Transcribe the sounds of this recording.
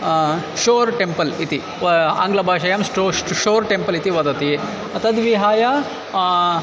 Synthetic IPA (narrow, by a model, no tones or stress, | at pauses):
ʃoːɾʈempɐlit̪i | a̰ŋɡlɐbʱaːʃɐjɐmsʈoʃoːɾʈempɐlit̪iʋɐd̪ɐt̪i | ɐt̪ʰɐd̪ʋiɦaːja